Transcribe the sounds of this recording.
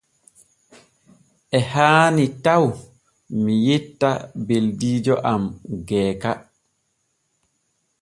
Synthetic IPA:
ʔɛhaːnitaw | mijitːabeldiːd͡ʒɔʔamɡɛːka

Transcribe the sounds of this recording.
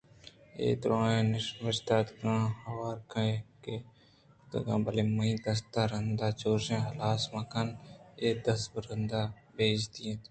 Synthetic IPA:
ḛːt̪ɾõːẽːnɪʃʋɐʃd̪aːt̪kãːhɐwaːɾkɐke | t̪ɐ̰ɡãːbɐlemɐĩd̪ɐst̪aɾɐnd̪aːt͡ʃoːʃẽːɦɐlaːsmɐkɐneːd̪ɐsbɾɐnd̪aː | beːd͡ʒt̪iẽt̪

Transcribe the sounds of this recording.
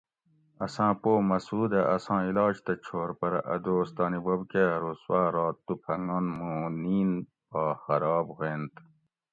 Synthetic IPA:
ɐsãːpoːmɐsuːd̪eʔɐsãːilɑːd͡ʑt̪ɐt͡ɕʰoːɾpɐɾɐ̰ʔɐd̪oːst̪ɑːnibobkeɾuswaːɾɑːt̪ːupʰɐŋɡonmũniːn | baːxɐɾɑːbheːnt̪

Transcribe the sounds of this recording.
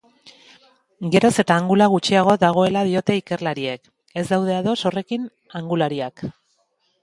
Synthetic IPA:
ɡe̞ɾo̞se̞t̪aːŋɡulaɣ̞ut͡ʃiaɣ̞o̞ðaɣ̞o̞e̞lað̞io̞t̪e̞ike̞rlaɾiek | e̞zd̪awð̞e̞aðo̞so̞re̞kin | aŋɡulaɾiak

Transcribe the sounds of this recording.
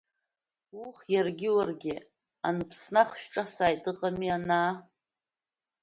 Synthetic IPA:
uχjarɡʲɪwarɡʲɪ | a̰nɨpʰsnaχʃᶣʈ͡ʂʼasaːjtʼɨqʼamiana

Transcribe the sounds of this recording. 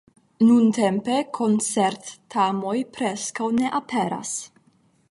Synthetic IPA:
nunte̞mpe̞kʰo̞nt͡seɾt̪ːamo̞jpɾeskawne̞ʔapʰeɾa̰s

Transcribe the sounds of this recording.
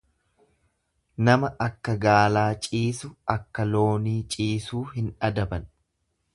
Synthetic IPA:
nɐmɐʔɐkːɐɡaːlaːt͡ʃʼiːsʊʔɐkːɐlo̞ːniːt͡ʃʼiːsuːɦɪnᶑɐd̪ɐbɐn

